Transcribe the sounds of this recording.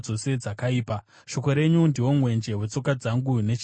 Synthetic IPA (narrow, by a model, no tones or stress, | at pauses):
o̞se̞d͡zakaiːpa | ʃo̞ko̞ɾe̞ɲundiwo̞mwe̞nd͡ʒe̞ɦwe̞t͡so̞kad͡zaŋɡune̞t͡ʃ